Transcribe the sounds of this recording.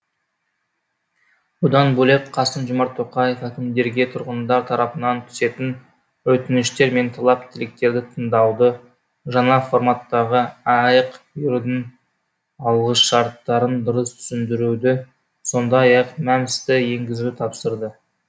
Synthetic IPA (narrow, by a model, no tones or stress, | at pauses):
bʊd̪ɑnbɵlˠep̚qʰɑsənʒomɑɾt̪ʰːoqɑje̞fækʲɪmd̪e̞ɾɡʲe̞t̪ʰʊɾʁənd̪ɑɾt̪ʰɑɾɑpənɑnt̪ʰʏ̥se̞t̪ɪn | wɵt̪ɪnɪʃt̪e̞ɾme̞nt̪ʰɑlˠɑp̚t̪ʰɪlɪk̚t̪e̞ɾd̪ɪt̪ʰəɴd̪ɑwd̪ə | ʒɑɴɑfo̞ɾmɑt̪ːɑʁəɑjəqbjʏɾd̪ɪŋ | ɑlˠʁəsʃɑɾt̪ːɑɾənd̪ʊɾəst̪ʰʏ̥sɪnd̪ɪɾud̪ɪ | so̞nd̪ɑjɑqmæmɪst̪ɪje̞ŋɡʲɪzɪt̪ʰɑpsəɾd̪ə